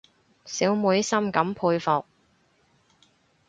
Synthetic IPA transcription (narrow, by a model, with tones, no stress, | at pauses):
siː˨˥wmuː˨˧˥jsɐ˥mkɐ˨˧˥mpʰuː˧jfɔ˨k̚